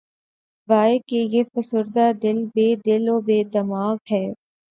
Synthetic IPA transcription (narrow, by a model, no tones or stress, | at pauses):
ʋaːekejefɐsʊɾd̪aːd̪ɪlbeːd̪ɪloːbeːd̪ɐmaːɣɦɛː